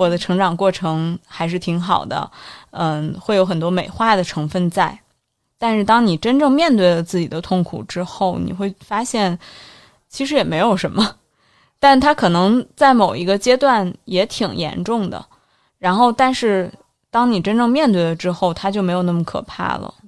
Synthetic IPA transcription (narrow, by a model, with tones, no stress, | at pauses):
wɔ˨˩d̪ə˦ʈ͡ʂʰɤ˧˥ŋʈ͡ʂɑ˨˩ŋkwɔ˥˩ʈ͡ʂʰɤ˧˥ŋxa˧˥ɪʂɻ̩˥˩t̪ʰi˧˥ŋxɑ˨˩ʊd̪ə̰˦ə˧xwe˥˩jo˧˥ʊxə˨˩nt̪wɔ˥me˨˩ɪxwa˥˩d̪ə˩ʈ͡ʂʰɤ˧˥ŋfə˥˧nt͡sa˥˩ɪ | t̪a˥˧nʂɻ̩˥˧t̪ɑ˥ŋni˨˩ʈ͡ʂə˥nʈ͡ʂɤ˥˧ŋmjɛ˥˧nt̪we˥˩ɪlə˩t͡sɹ̩˥˩t͡ɕi˨˩d̪ə˦t̪ʰʊ˥˩ŋkʰṵ˨˩ʈ͡ʂɻ̩˥xo˥˩ʊnḭ˨˩xwe˥˩ɪfa˥ɕjɛ˥˩n | t͡ɕʰi˧˥ʂɻ̩˧˥jɛ˨˩me˧˥ɪjo˨˩ʊʂə˧˥nmə˧ | t̪a˥˩nt̪ʰa˥kʰɤ˨˩nɤ˧˥ŋt͡sa˥˩ɪmo˨˩ʊi˧˥ɡə˧t͡ɕjɛ˥t̪wa˥˩njɛ˧˥t̪ʰi˨˩ŋjɛ̰˧˥nʈ͡ʂʊ˥˩ŋd̪ə̰˩ | ɻa˧˥nxo˥˧ʊt̪a˥˧nʂɻ̩˥˩ | t̪ɑ˥ŋni˨˩ʈ͡ʂə˥nʈ͡ʂɤ˥˧ŋmjɛ˥˧nt̪we˥˩ɪlə˩ʈ͡ʂɻ̩˥xo˥˩ʊt̪ʰa˥t͡ɕjo˥˩ʊme˧˥jo˨˩na˥˩mə˩kʰɤ̰˨˩pʰa̰˥˩lə̰˩